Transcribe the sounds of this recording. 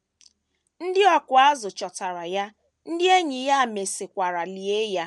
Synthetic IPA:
n̩˦dɪ˦ɔ˦kʊ˨a˦zʊ˨t͡ʃɔ˨ta˨ɾa˨ja˦ | n̩˦dɪ˦e˦ɲi˨ja˦˨me˨sɪ˨kʷa˨ɾa˨li˨e˦ja˦

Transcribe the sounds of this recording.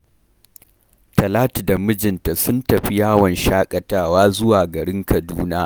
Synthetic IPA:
tɐ˨laː˦ti˨da˨mʊ˦d͡ʒɪ˨nta˨sʊ˦ntɐ˨ɸi˦jaː˦wɐ˨nʃaː˦kʼɐ˨taː˦waː˦zʊ˦waː˨ɡɐ˨ɽɪ˦ŋkɐ˨duː˦naː˦ʔ

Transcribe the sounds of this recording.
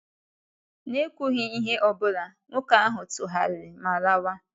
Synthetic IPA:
ne˦kʷu˦ɦɪ˦i˦ɦe˦ʔɔ˨bʊ˦ɾa˨ŋʷʊ˦ka˦a˦ɦʊ˨tʊ˨ɦa˨ɾɪ˨ma˨la˦wa˦

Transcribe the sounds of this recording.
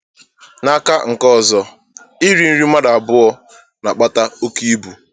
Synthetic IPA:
na˨˦ka˦ŋ̩˨kɔ˦˨zɔ˨ | i˦ɾi˨˦n̩˦ɾi˦ma˦da˨a˨bʊ˦ɔ˦ | na˨k͡pa˦ta˦o˦ki˦i˦bu˨

